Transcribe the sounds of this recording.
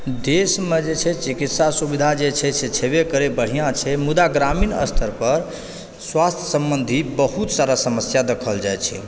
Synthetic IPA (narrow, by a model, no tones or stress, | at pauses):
d̪esmed͡ʒet͡ʃʰɛt͡ʃikit̪sasubid̪ʱad͡ʒet͡ʃʰɛt͡ʃʰɛt͡ʃʰebekəɾebəɽ̤ijãt͡ʃʰɛmud̪aɡɾaminə̰st̪ʰəɾpəɾ | swast̪ʰjəsəmbənd̪ʱibəɦut̪saɾasəməsjad̪əkʰəld͡ʒajt͡ʃʰɛ